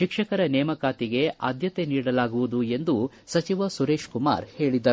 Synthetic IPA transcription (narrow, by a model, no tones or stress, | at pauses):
ʃikʂɐkɐɾɐnɛːmɐkaːt̪iɡe̞a̰ːd̪jɐt̪e̞niːɽɐlaːɡuʋud̪ue̞nd̪u | sɐt͡ʃiʋɐsuɾe̞ːʃkuma̰ːɾhe̞ːɭid̪ɐɾ